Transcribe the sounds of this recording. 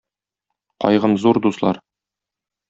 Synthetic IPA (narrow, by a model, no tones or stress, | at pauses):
qɒ̰jʁɤmzuɾd̪uslˠɑ̰ɾ